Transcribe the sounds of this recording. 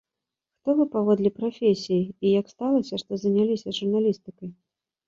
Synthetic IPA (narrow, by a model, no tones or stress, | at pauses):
xt̪ɔvɨpavɔd̪lʲɛpɾafʲesʲijiːjakst̪alˠɐsʲɐʂt̪ɔzɐnʲalʲisʲɐsʐurnalʲist̪ɨkɐj